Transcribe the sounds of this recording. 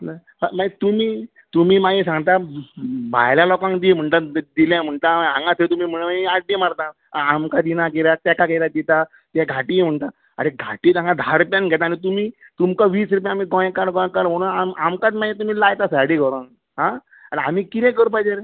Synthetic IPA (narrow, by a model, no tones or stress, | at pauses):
amat̪umiː | t̪um̤iːmais̬ãŋɡt̪a | bʱa̰jljalɔkãŋkd̪im̤əɳt̪ad̪iljãm̤əɳt̪aãŋɡãt̪ʰet̪umiːm̤əɽmaiaɖːimaɾt̪a | ãːmkad̪inakeɾat̪ɛkakeɾad̪it̪a | t̪jaɡʱaʈim̤əɳt̪a | aɾeɡʱa̰ʈiːt̪ãŋɡad̪ʱaɾupjãnɡʱɛt̪̬aːñit̪̬umiːt̪umkaʋiːsɾup̬jãːmiɡɔ̃j̃kaɽɡɔ̃jkəɾm̤əɽ̃uːnamamkat̪maẽt̪um̤iːlajt̪asaɽiɡʱɔɾon | ɦã | aɽeamiːkit̪ɛ̃k̬əɾupajd͡ʒeɾ